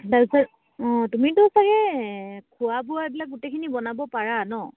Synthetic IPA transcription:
daɹbisaɹ | ɔ̃tumitɔsaɡɛkʰuabuaebilak̚ɡutekʰinibɔnabɔpaɹanɔ

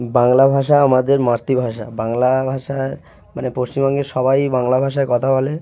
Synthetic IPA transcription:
baŋlabʱaʃaamad̪eɾmaɾt̪ibʱaʃa̰baŋlabʱaʃa | manepost͡ɕimbɔŋɡeʃɔbajbaŋlabʱaʃ̬aekɔt̪ʰabole

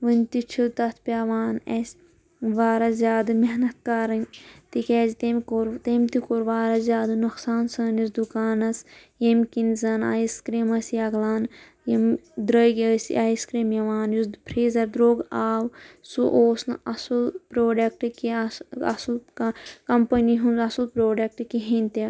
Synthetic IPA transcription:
ʋɨnʲt̪it͡ʃʰut̪ɐt̪ʰpʲaʋaːnesʲ | ʋaːɾɐzʲjaːd̪ɨmeɦnɐt̪̚kɐɾɐnʲt̪ikʲɛːzit̪emkoɾt̪emʲt̪ikoɾʋaːɾɐzʲjaːd̪ɨnuksaːnsɐːnisd̪ukaːnɐs | jemkinzɐna̰iskɾemɐsijɐɡlaːn | jemd̪ɾəɡəsḭʔaiskɾeːmjɐʋaːnuspʰɾiːzɐɾd̪ɾoːɡaːwsuʔoːsnɐsulpɾoːɖɐk̚ʈɨkiɐ̰sulkkɐmpɐniɦunzɐsulpɾoːɖɐk̚ʈɨkiɦinʲt̪e

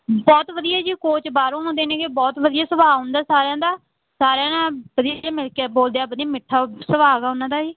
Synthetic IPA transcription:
bɔːt̪ʋəd̪ijaːd͡ʒiːkoːt͡ʃbaːɾõːnõːd̪eːnẽːɡeːbɔːt̪ʋəd̪ɪjaːsəʋaːɦʊ̃nd̪aːsaːɾeãːd̪aː | saːɾãːnãːbəd̪ɪaãːmɪlkaːboːld̪ejaːbəd̪ɪjãːmɪʈʰːaːsəʋaːɡaːʊnãːd̪aːd͡ʒiː

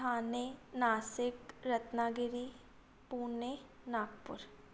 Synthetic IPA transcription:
aːnenaːsɪkɾɐt̪naːɡɪɾi | puːne | naːk̚pʊɾ

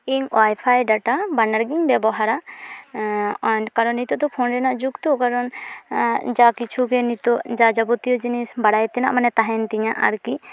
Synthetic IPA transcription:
iɲwajpʰajɖaʈabanaɾɡiŋbɛbɔɦaɾa | nkaɾɔnit̪ɔd̪ɔpʰɔnɾɛnaʔd͡ʒukt̪ukaɾɔn | d͡ʒakit͡ʃʰuɡɛnit̪ɔʔd͡ʒad͡ʒabut̪ijɔd͡ʒinisbaɽajt̪ɛna̰ʔmanɛt̪aɦɛnt̪iɲaʔa̰ɾki

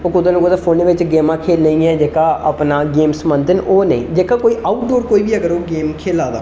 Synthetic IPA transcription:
oːkʊd̪ãːnũːkəd̪aːpʰoːnːʋɪt͡ʃɡeːmãːkʰeːlnəĩːɛːd͡ʒeːkaːəpnaːɡeːmsmənd̪ənoːnə̰ḭ̃ːd͡ʒeːkaːkoːiːʔaːʊʈ̚d̪oːɾkoːiːbiːəɡəɾoːɡeːmkʰeːlaːd̪a̰ː

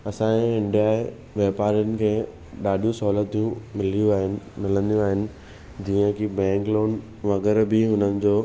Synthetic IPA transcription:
ɐsãːẽɪɳɖijaːe | ʋɛːpaːɾijənɪ̆kʰeː | ɗaːɗijũsɔːlət̪̚t̪ʰijũmɪljũaːɦɪnmɪlə̃nd̪ijũaːɦɪnɪ̆ | d͡ʑiːə̃kʰibɛ̃ːŋkloːn | ʋɐɣɛɾbɪɦʊnənɪ̆d͡ʑoː

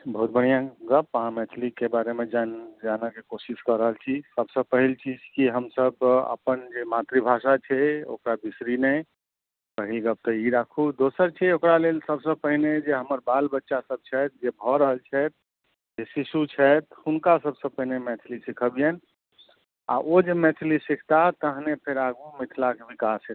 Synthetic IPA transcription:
bəɦut̪̚bəɽ̤̃ijãɡəpːəɦãmɛt̪ʰlikebaɾemed͡ʒad͡ʒanəkekosiskəɾəɦəlt͡ʃʰisəbsə̃pəɦilt͡ʃid͡ʒkiɦəmsəbə̰pənd͡ʒemat̪ɾibʱasat͡ʃʰɛo̰kɾabisɾinɛ | pəɦilɡəp̚t̪əiɾakʰud̪osəɾt͡ʃʰɛokɾalelsəbsə̃pəɦined͡ʒeɦəməɾbalbətːʃasəb̚t͡ʃʰɛt̪̚d͡ʒebʱɔɾəɦəlt͡ʃʰɛt̪̚ | d͡ʒesisut͡ʃʰɛt̪unkasəbsə̃pəɦinemɛt̪ʰlisikʰəbjen | a̰ʔod͡ʒemɛt̪ʰlisikʰt̪at̪əɦnepʰeɾaɡumit̪ʰlakebikasɛt̪

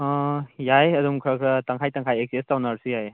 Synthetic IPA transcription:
jajɐdumkʰɐkʰɐtaŋkʰajtaŋkʰajek̚sestawnaɾsijaj

